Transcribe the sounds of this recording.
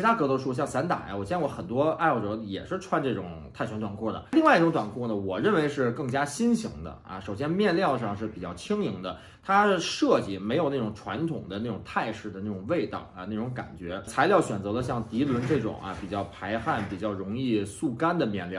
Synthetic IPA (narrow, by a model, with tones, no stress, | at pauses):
ɻt̪a˥kɤ˧˥ɔ˧˥ʂu˥˧ɕ̬jɑ˥˩ŋsa˧˥nt̪a̰˨˩˦ja̰˦wɔ˨˩ɕjɛ˥n˥˧wɔ˧˥xə˨˩nt̪wɔ˥a˥˧ɪ˥˧˩ʈ͡ʂɤ˧˥jɛ̰˨˩ʂɻ̩˥˧ʈ͡ʂʰwa˥nʈ͡ʂɤ˥˩ʈ͡ʂʊ̰˨˩˦ŋt̪ʰt͡ɕʰɛ˧˥nt̪wa˨˩nkʰwɔ˥˩d̪ə̰˩li˥ŋwa˥˧ɪi˥˩ʈ͡ʂʊ˧˥ŋt̪wa˨˩nkʰwɔ˥˩nə˩wɔ˨˩ɻə˥˩nwe˧˥ɪʂɻ̩˥˧kɤ˥˩ŋt͡ɕja˥ɕi˥nɕi˧˥ŋd̪ə̰˧ɐ̰˧ʂo˨˩ʊɕjɛ˥nmjɛ˥˧nljɑ˥˧ʊʂɑ˥˧ŋʂɻ̩˥˩pi˨˩t͡ɕjɑ˥˩ʊt͡ɕʰi˥ŋi˧˥ŋd̪ə˧ | t̪ʰa˥˧ʂɤ˥˧t͡ɕi˥˩me˧˥ɪjo˨˩ʊna˥˩ʈ͡ʂʊ˨˩ŋʈ͡ʂʰwa˧˥nt̪ʰʊ˨˩ŋd̪ə˦na˥˩ʈ͡ʂʊ˨˩ŋt̪ʰa˥˧ɪʂɻ̩˥˩d̪ə˩na˥˩ʈ͡ʂʊ˨˩ŋwe˥˧ɪt̪ɑ̰˥˩ʊa̰˧na˥˩ʈ͡ʂʊ˧˥ŋka̰˨˩nt͡ɕɥɛ˧˥t͡sʰa˧˥ɪljɑ˥˩ʊɕɥɛ˨˩nt͡sɤ˧˥lə˧ɕ̬jɑ˥˩ŋt̪i˧˥lwə˧˥nʈ͡ʂɤ˥˩ʈ͡ʂʊ̰˨˩ŋɐ̰˧pi˨˩t͡ɕjɑ˥˩ʊpʰa˧˥ɪxa˥˩npi˨˩t͡ɕjɑ˥˩ʊɻʊ˧˥ŋi˥˧su˥˩ka˥nd̪ə˨mjɛ˥˧nljɑ˥˩